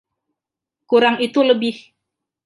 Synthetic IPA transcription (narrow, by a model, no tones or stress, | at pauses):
kuɾaŋit̪uləbɪh